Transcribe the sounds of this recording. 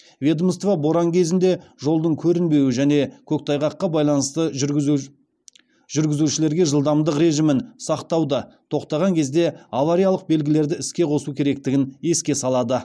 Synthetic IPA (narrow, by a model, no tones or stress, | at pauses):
vʲed̪mst̪vɑbo̞ɾɑŋkʲʰe̞zɪnd̪e̞ʒo̞lˠd̪əɴkʲʰɵɾɪnbe̞wɪʒæne̞kʲʰɵk̚t̪ʰɑjʁɑqːɑbɑjlˠɑnəst̪ə | ʒ̥ʏɾɡʲɪzuʃɪle̞ɾɡʲe̞ʒəlˠd̪ɑmd̪əqɾe̞ʒɪmɪnsɑqt̪ɑwd̪ət̪ʰo̞qt̪ɑʁɑŋkʲʰe̞zd̪e̞avaɾijalˠəq̚be̞lɡʲɪle̞ɾd̪ɪɪskʲe̞qʰo̞sukʲʰe̞ɾe̞k̚t̪ɪɡʲɪne̞skʲe̞sɑlˠɑd̪ə